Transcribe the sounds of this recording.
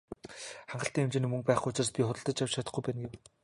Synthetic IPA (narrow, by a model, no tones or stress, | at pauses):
χaɴɢə̆ɬt̪iːŋemt͡ɕĕniːmɵŋpæːχɡuʊt͡ɕɪ̆rspʲiχʊt̪ə̆ɮt̪ə̆t͡ɕjawt͡ɕʰat̪ə̆χɡujpæːnɡew